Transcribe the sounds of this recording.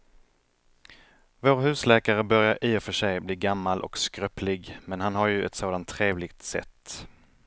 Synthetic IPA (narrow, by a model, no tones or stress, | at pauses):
voːɾɦʉ̟ːslɛːkaɾəbœɾjaɾʔiːɔfœʂɛjbliːɡamːalʔɔ̰kskɾœpʰlɪɡmɛnhanɦaɾjɵʔɛ̰t̪soːd̪ant̪ʰːɾeːvlɪɡ̚t̪sɛ̰t̪ː